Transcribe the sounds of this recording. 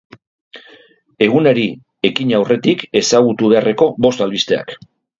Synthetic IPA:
e̞ɣ̞uneɾi | e̞kiɲawre̞t̪ike̞saɣ̞ut̪uβe̞arʔe̞ko̞bo̞st̪alβist̪e̞a̰k

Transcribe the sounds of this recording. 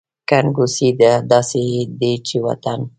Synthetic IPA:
kanɡusid̪ad̪ɑsed̪et͡ʃewa̰t̪an

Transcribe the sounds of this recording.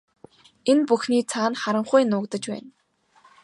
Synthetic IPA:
enpuxniːt͡sʰaːnχaɾə̆ɴχʊjnʊːkt̪ə̆t͡ɕpæ̰ːn

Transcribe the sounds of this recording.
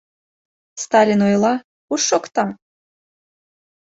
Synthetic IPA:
st̪ɑlʲinojlˠɑ | uʃːokt̪ɑ

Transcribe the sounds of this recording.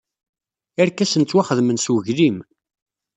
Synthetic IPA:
æɾkæsənt͡s̪ːwaχəðmənswʝlim

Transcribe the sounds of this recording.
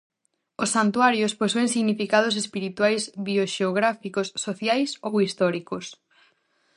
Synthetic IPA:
osːant̪uaɾjosposueŋsiɣnifikað̞ʊsespiɾit̪wajsβioʃeoɣɾafikosːoθjajsowist̪ɔɾikos

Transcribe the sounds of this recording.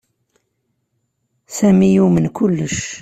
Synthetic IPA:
sæmijumənkulːəʃ

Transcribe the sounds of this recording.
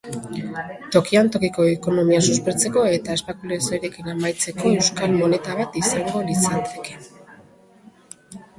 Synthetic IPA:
t̪o̞kiant̪o̞kiko̞eko̞no̞miasuspe̞t͡se̞ko̞e̞t̪aespakulesoɾekinamajt͡se̞ko̞e̞wskalmo̞ne̞t̪aβat̪isaŋɡo̞lisat̪e̞̥ke̞̥

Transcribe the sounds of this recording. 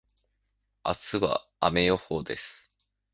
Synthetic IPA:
a̰sɨβa̰a̰me̞jo̞hoːd̪e̞sɨ̥

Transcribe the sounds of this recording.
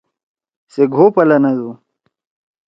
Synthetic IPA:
seɡʱoːpɐlɐnɐzu

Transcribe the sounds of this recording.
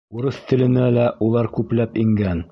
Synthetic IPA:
uɾɤθt̪ʰɘ̆lɘ̆nælæʔulˠɑɾkʉplæpiŋɡæn

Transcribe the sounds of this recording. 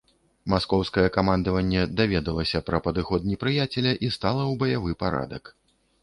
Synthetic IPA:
maskɔwskɐjɛkamand̪ɐvɐnʲːɛd̪avʲɛd̪ɐlˠɐsʲɐpɾɐpɐd̪ɨxɔd̪t̪nʲɛpɾɨjat͡sʲɛlʲɐʔist̪alˠɐwbɐjavɨpaɾa̰d̪ɐ̰k

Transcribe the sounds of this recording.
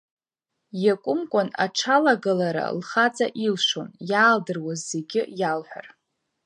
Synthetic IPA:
jakʷʼʊmkʷʼana̰ʈ͡ʂʰalaɡalaɾa̰lχat͡sʼa̰ʔilʂonjaːldɨrwazːeɡʲɪjalħʷᶣa̰r

